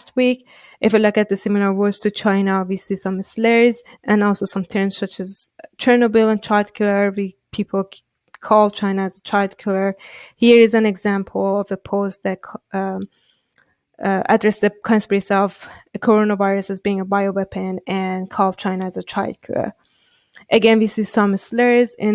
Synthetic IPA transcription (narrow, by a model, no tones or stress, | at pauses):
st̚wik | ʔɪfalʊkɨt̪̚ðɨsɪ̃mɪl̩ˠə˞wɔɹz̥tʰɨt͡ʃʰãɪnəwisisʌ̃mɪslɛɹz | ʔɨ̃nɔlˠsoʊsʌ̃mt̪ʰɜ̃˞mz̥sʌt͡ʃɨzt͡ʃʰə˞nobɪlˠə̃nt͡ʃʰaɪdkʰulə˞wi | pʰipʰl̩ˠ | kʰɔlˠt͡ʃʰãɪ̃nəːzət͡ʃʰaɪldkʰulˠə˞hiɹɪzɨ̃nɛɡzæ̃mpʰl̩ˠʌvəpʰoʊstðɨt̚kʰ | ə̰dɹɛsðɨkʰɑ̃nspəɹesiʌvɨkʰɔɹõnəvaɪɹɨsɨzbiɪ̃ŋəbaɪowɛpʰɨ̃nɨ̃nkʰɔlˠt͡ʃʰãɪnəːzət͡ʃʰaɪd̚kʰṵlˠə̰˞ | ʔɨɡɛ̃nwisisʌ̃mɨslɛɹzɪ̃